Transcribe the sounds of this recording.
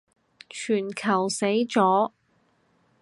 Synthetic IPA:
t͡ʃʰyː˨˩nkʰɐ˨˩wse˨˥jt͡sɔː˨˥

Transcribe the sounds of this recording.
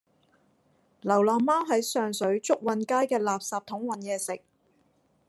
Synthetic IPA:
lɐ˨˩wlɔː˨˩ŋmaː˥wɦɐ˨˥jsœː˨ŋsɵ˨˥ɥt͡sʊ˥k̚wɐ˨nkaː˥jkɛː˧laː˨p̚saː˨p̚t̪ʰʊ˨˥ŋwɐ˨njɛː˨˧sɪ˨k̚

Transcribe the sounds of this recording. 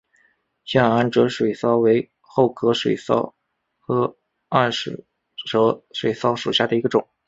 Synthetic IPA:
ɕja˥nʈ͡ʂɤ˧˥ʂwe˨˩ɪsɑ˥ʊwe˧˥ɪ | xo˥˩ʊkʰɤ˥ʂwḛ˨˩ɪsɑ̰˥ʊ | xɤ˧˥ | a˥˩nʂ̩˨˥˩ | ʈ͡ʂɤ˧˥ʂwe˨˩ɪsɑ˥˩ʊʂu˨˩ɕja˥˩d̪ə˩i˧˥ɡə˧ʈ͡ʂʊ˨˩˦ŋ

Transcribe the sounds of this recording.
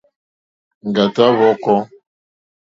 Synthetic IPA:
ŋ̩˨ɡa˨ta˦βɔ˦kɔ˦

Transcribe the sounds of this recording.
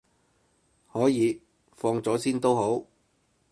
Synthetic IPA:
hɔː˨˥jiː˨˧ | fɔː˧ŋt͡sɔː˨˥siː˥nt̪o˥who˨˥w

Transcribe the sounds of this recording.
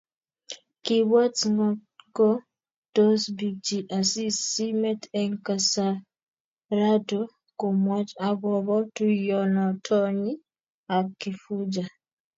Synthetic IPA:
ki˨wa˦t͡sŋɔ˨kɔ˦ | tɔ˦sbi˨d͡ʒi˨ʔa˨si˦si˦mɛ˦tɛŋka˨sa˨ | ɾa˦do˦ | ko˨mwa˦t͡ʃa˨ɡɔ˨bɔ˦tu˦jɔ˨nɔ˨tʰɔ˦ɲi˦ | a˨kːi˨fu˦d͡ʒa˨

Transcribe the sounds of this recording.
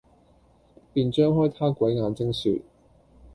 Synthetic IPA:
piː˨˧nt͡ʃœː˥ŋɦɔː˥jt̪ʰaː˥kwɐ˨˥jŋaː˨˧nt͡sɪ˥ŋsy̰ː˧t̚

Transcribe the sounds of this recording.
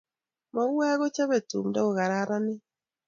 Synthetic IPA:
mɔ˨˦wɛ˦ɣo˦t͡ʃa˦be˨tṵ˨mdɔ˦o˨ɣa˨ɾa˦ɾa˦nɪ˦

